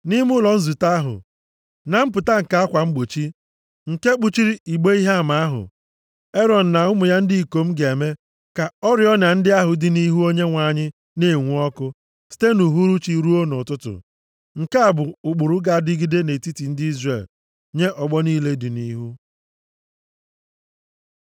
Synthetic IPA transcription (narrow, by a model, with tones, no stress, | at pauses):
ni˦mʊ˦lɔ˨n̩˦zu˨ta˦ɦʊ̰˨ | na˨m̩˦p̬ʊ˨ta˦ŋ̩˨ka˦a˦kʷa˨ŋ͡m̩˦ɡ͡bo˨t͡ʃi˦ | ŋ̩˨ke˦k͡pu˦t͡ʃi˦ɾi˦i˨ɡ͡be˦i˦ɦa˦a˨ma˨a˦ɦʊ̰˨ | e˦ɾɔ˨n̩˨na˨ʊ˦mʊ˨ja˦n̩˦di˦i˨ko˨m̩˦ɡe˨me˦ | ka˨ɔ˦ɾɪ˨ɔ˦na˨n̩˦dɪ˦a˦ɦʊ˨dɪ˨ni˦ɦu˦o˦ɲe˦ŋʷa˨ɲɪ˦ | ne˦˨ŋʷu˦ɔ˦kʊ˦ | si̥˦te˦nu˨ɦu˦ɾu˦t͡ʃi˦ɾu˦o˦nʊ˨tʊ˦tʊ̰˨ | ŋ̩˨ke˦a˨bʊ˨ʊ˨ɡ͡bʊ˨ɾʊ˦ɡa˦˨dɪ˦ɡi˦de˦ne˨ti˦ti˨n̩˦dɪ˦i˦zre˨l | ɲe˦ʔɔ˨ɡ͡bɔ˦niː˦le˦dɪ˨ni˦ɦu˦